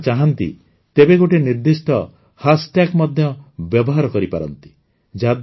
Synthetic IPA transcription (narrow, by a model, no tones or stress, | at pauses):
t͡ʃaɦant̪ḭ | t̪ebeɡoʈeniɾd̪isʈɔ | hasʈakmɔd̪ʱjɔbjɔbɔɦaɾɔkɔɾipa̰ɾɔ̰nt̪i̥ | d͡ʒad̪